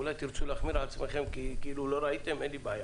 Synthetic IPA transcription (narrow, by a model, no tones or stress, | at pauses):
ulat̪ʰiɾsʰulaχmiɾat̪sʰmɛχɛmkikiɾulɔɾait̪ʼɛmɛlibaja